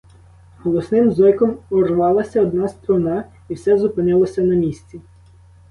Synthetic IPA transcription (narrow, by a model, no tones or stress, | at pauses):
hɔlˠɔsnɪmzɔjkɔmɔrʋɑlˠɐsʲɐɔd̪nɑst̪ɾɔnɑ | iwsɛzʊpɪnɪlˠɔsʲɐnɐmʲisʲt͡sʲi